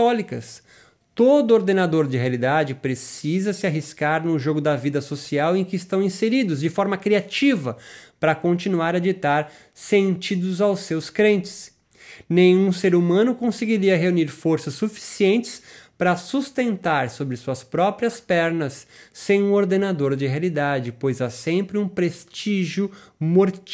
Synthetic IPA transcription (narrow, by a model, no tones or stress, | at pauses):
tɔlikɐs | t̪od̪ʊoɾd̪enad̪oɾd͡ʒɪɦealid̪ad͡ʒɪpɾesizɐsɪaɦiskaɾnʊʒoɡʊd̪ɐvid̪ɐsosiawẽkɪɪst̪ɐ̃w̃ĩseɾid̪ʊzd͡ʒɪfɔɾmɐkɾiat͡ʃivɐpɾɐkõnt͡ʃinuaɾad͡ʒit̪aɾ | sẽnt͡ʃid̪ʊzawsewskɾẽnt͡ʃɪ̥s | nẽj̃ũseɾumɐ̃nʊkõseɡiɾiɐɦeuniɾfoɾsɐsːufi̥siẽnt͡ʃɪ̥spɾɐsust̪ẽnt̪aɾsobɾɪsuɐspɾɔpɾiɐspɛɾnɐsːẽj̃ũoɾd̪enad̪oɾd͡ʒɪɦealid̪ad͡ʒɪpojzasẽmpɾɪũpɾest͡ʃiʒjʊmoɾt͡ʃ